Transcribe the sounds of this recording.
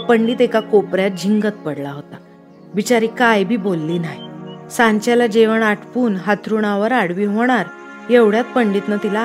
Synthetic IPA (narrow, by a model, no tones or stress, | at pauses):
pəɳɖiːt̪ekakopɾjat̪̚d͡ʑʱiŋɡət̪̚pəɽlaɦot̪a | bit͡ɕaɾiːkajbʱiːbolːiːnaɦjsãɲt͡ɕalad͡ʑeʋəɳaʈʰpuːnɦat̪ʰɾuɽ̃aʋəɾaɽʋiːɦoɽ̃aɾ | jeʋɽjat̪̚pəɳɖiːt̪nət̪ila